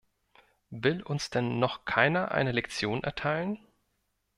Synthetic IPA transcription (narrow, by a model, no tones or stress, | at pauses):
vɪlʊnsd̥ɛnːɔχkʰaɪnɐʔa̰ɪnəlɛkt͡sjoːnʔɛ̰ɐtʰaɪlən